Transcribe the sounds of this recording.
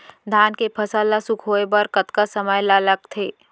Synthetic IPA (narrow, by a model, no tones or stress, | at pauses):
d̪ʱaːnkepʰɐsalːasukʰɦoːebəɾkət̪kasəməjlaləɡ̚t̪ʰeː